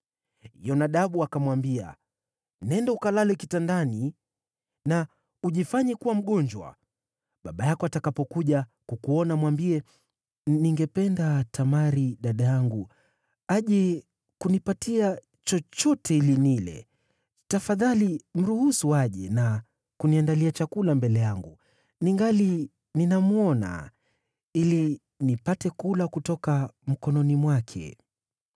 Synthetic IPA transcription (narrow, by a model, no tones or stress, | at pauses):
ḭjɔnaɗaɓuakamwambia̰ | nɛndaukalalɛkitandani | na | uʄifaɲɛkuwam̩ɠɔɲd͡ʒwa̰ | ɓaɓajakɔatakapɔkuʄakukuɔnamwambiɛ | niŋɡɛpɛndatamaɾiɗaɗajaŋɡu | aʄɛ | kunipatia | t͡ʃɔt͡ʃɔtɛilinilɛ̰ | tafaðalim̩ɾuhusuaʄɛna | kuniandaliat͡ʃakulambɛlɛjaŋɡu | niŋɡali | ninamuɔna̰ | ili | nipatɛkulakutɔkam̩kɔnɔnimwakʰɛ̰